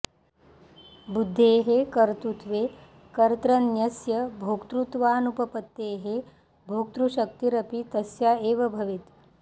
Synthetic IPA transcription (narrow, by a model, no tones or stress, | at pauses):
bud̪ʱːeːɦekɐɾt̪ut̪ʋeː | kɐɾt̪ɾɐnjɐsjɐbʱoːkt̪ɾut̪ʋaːnupɐpɐt̪ːeːɦe | bʱoːk̚t̪ɾuʃɐk̚t̪iɾɐpit̪ɐsjaːeːʋɐbʱɐʋit̪